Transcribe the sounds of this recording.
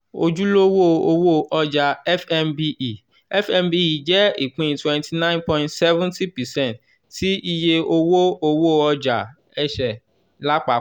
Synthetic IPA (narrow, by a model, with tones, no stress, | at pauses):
o̰˦d͡ʒu˦lo˦wo˦˨o˧wo˦˨ʔɔ˦d͡ʒa˧ɛ˦fɛ˦mbi˦ʔi˨ | ɛ˦fɛ˦mbi˦i˨d͡ʒɛ˦i˨k͡pĩ˦˨twɛ̃˦ntʰi˨nã˦ĩ˦npɔ̃˧˦ĩntsɛ˦vũ˦nti˦pɛ˨sɛ̃˦˨nt | ti˦i˦je˦o˦wo˦o˧wo˦˨ɔ˦d͡ʒa˨ | ɛ˦ʃɛ˨ | la˦k͡pa˨